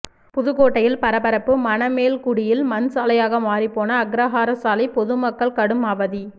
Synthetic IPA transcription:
pʊðɯɣoːʈːɐjɪlpɐɾɐpɐɾɐpːɯmɐnɐmeːlkʊɽɪjɪlmɐnsaːlɐjaːɣɐmaːɾipːoːnɐːɡɾɐɦaːɾɐsaːlɐɪpɔðɯmɐkːɐɭkɐɽɯmaːʋɐði

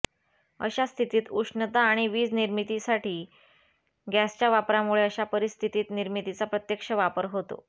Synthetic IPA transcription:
ə̰ɕast̪ʰit̪iːt̪uʂɳət̪aːɽ̃iʋiːd͡zniɾmit̪isaʈʰiː | ɡæst͡ɕjaʋapɾamuɭeəɕapəɾist̪ʰit̪iːt̪niɾmit̪it͡sapɾət̪jəkʂəʋapəɾɦot̪o̰

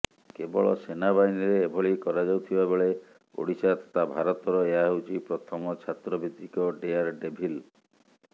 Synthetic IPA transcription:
kebɔɭɔsenabainiɾeːbʱɔɭikɔɾad͡ʒawt̪ʰibabeɭe | o̰ɽisat̪ḁt̪ʰabʱaɾɔt̪ɔɾɔeaɦewt͡ʃʰipɾɔt̪ʰɔmɔt͡ʃʰat̪ɾɔbʱit̪ːikɔɖeaɾɖebʱil

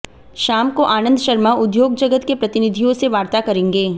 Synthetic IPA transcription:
ʃaːmkoʔaːnə̃nd̪ʃɐɾmaʊd̪joːɡ̚d͡ʒɐɡət̪kepɾɐt̪ɪnɪd̪ʱijõseʋaːɾt̪akɐɾẽːŋɡeː

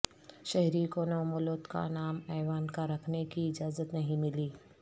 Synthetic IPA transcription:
ʃɛɦɾikonɐʋmʊloːt̪ka̰naːmɛːʋaːnkaɾɐkʰnekiɪd͡ʒaːzət̪nɐɦĩmɪliː

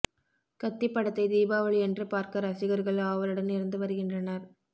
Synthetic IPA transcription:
kɐt̪ːipːɐɽɐt̪ːɐɪd̪iːbaːʋɐɭɛndrɯpaːɾkɐɾɐsɪɣɐɾɣɐɭɐʋɐɾɯɽɐnnɪɾɐnd̪ɯʋɐɾɯɣɪndrɐnɐɾ

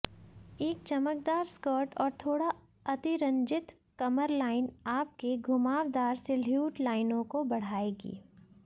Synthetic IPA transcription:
eːk̚t͡ʃɐmək̚d̪aːɾskɔːʈɔːɾt̪ʰoːɽa | ɐt̪iɾɐ̃ɲd͡ʒɪt̪ | kɐməɾlaːɪnaːp̚keɡʱʊmaːʋd̪aːɾsɪljuːʈlaːɪnõkobɐɽ̤aːeːɡḭː

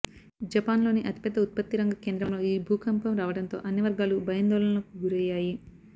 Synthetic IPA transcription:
d͡ʒɐpaːnlo̞ːniʔɐt̪ipjɐd̪ːɐut̪̚pɐt̪ːiɾɐŋɡɐke̞ːnd̪ɾɐmlo̞ːiːbʱuːkɐmpɐmɾaːʋɐɽɐnt̪o̞̰ːʔɐnjɐʋɐɾɡaːlubɐjɐnd̪ɔːlɐnɐlɐkuɡuɾɛːjaːji

